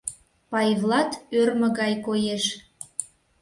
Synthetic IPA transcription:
pɑjvlˠɑt̪ørmə̆ɣɑjkojeʃ

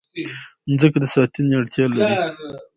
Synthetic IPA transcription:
nzəkd̪əsɑt̪inaɽt̪ʰjɑːlaɾi

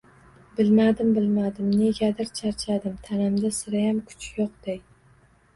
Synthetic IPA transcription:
bɪlmad̪ɪmbɪlmad̪ɪmne̞ɡʲad̪ɪɾt͡ʃʰaɾt͡ʃʰad̪ɪmt̪ʰanamd̪asɪɾajamkʰʊ̥t͡ʃʰjoq̚d̪̥ej

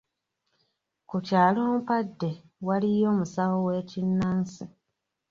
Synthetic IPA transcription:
kucaːloːmpadːe̞ | walijo̞ːmusawowe̞ːcinːansi

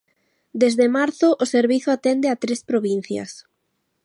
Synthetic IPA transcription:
d̪ezðemaɾθʊʔʊseɾβiθʊat̪end̪eat̪ɾespɾoβin̟θjɐ̰s

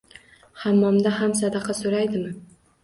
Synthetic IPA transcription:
hamːɒmd̪aɦamsad̪ɑqʰɑsoɾajd̪ɪmɪ

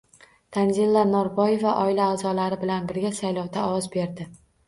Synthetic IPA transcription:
d̪̥anzilˠːanɒɾbɒje̞vaʔɒɪlaːzɒlaɾɪbɪlanbɪɾɡʲasajlɒwd̪aɒwɒzbe̞ɾd̪ɪ

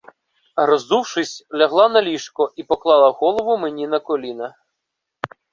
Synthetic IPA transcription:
rɔzd̪uwʂɪsʲlʲɐɦlˠanɐlʲiʂkɔʔipɔklˠɑlˠɐɣɔlˠɔʋʊmenʲinɐkɔlʲinɐ

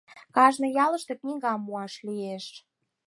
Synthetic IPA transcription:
kɑʒnɤ̆jɑlə̆ʃt̪ĕknʲiɣɑmːuɑʃlieʃ

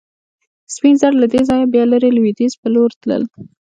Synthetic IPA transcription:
spinzaɽlad̪ezɑjabjɑlaɾelwid̪izpəloɾt̪lə̰l

